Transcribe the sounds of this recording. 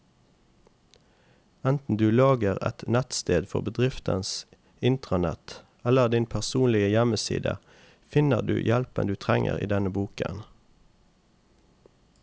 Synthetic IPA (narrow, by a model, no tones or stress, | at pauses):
ɛnt̪n̩d̪ʉːlɑːɡəʁɛ̰t̪næt̪st̪eːd̪fɔʁbəd̪ʁɪft̪əns | ɪnt̪ʁɑnɛt̪ | ɛləʁd̪ɪnpʰæʁsuːnlɪəjɛməsḭːd̪ə̰ | fɪnəʁd̪ʉ̰ːjɛlpənd̪ʉːt̪ʰʁɛŋə̰ʁḭːd̪ɛnəbuːkə̰n